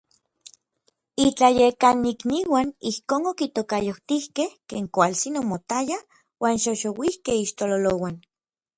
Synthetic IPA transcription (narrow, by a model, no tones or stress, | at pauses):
it͡ɬajekanikniwanihkoːnokit̪okajoht̪ihkehkeːŋkʷalt͡sinomot̪aja | waːnʃoʃowihkehiʃt̪ololowan